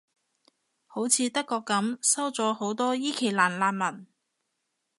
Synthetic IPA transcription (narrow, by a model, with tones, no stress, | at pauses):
ho˨˥wt͡sʰiː˨˧t̪ɐ˥kːɔː˧kːɐ˨˥msɐ˥wt͡sɔː˨˥ho˨˥wt̪ɔː˥jiː˥kʰe˨˩laː˨˩nlaː˧n̚mɐ˨˩n